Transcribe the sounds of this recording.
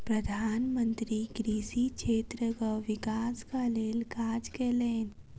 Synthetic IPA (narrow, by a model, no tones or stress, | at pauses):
pɾɐd̪ʱaːnmə̃nt̪ɾiɡɾiːsikʃʰeːt̪ɾəkaʋɪkaːskaleːlkaːd͡ʒkeːleːn